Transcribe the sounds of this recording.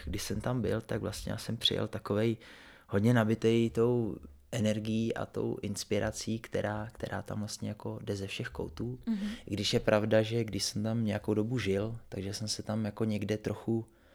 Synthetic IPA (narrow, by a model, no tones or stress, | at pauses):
ɡdɪʃsɛmt̪ambɪ̰lt̪aɡvlast̪ɲɛ̰ja̰ːsɛmpr̥ɪ̰jɛ̰lt̪ako̞vɛj | ho̞dɲɛnabɪt̪ɛjt̪o̞w | ʔɛnɛɾɡɪjiːʔa̰t̪o̞̰wʔɪnspɪɾʔat͡siːkt̪ɛ̰ɾʔaːkt̪ɛɾʔa̰ːt̪a̰mvlast̪ɲɛjako̞dɛzɛfʃɛxko̰wt̪uːɪɡdɪʃjɛpɾavdaʒɛɡdɪʃsɛmt̪amɲɛjakowdo̞buʒɪlt̪aɡʒɛsɛmsɛt̪amjako̞ɲɛɡdɛt̪ɾo̞xu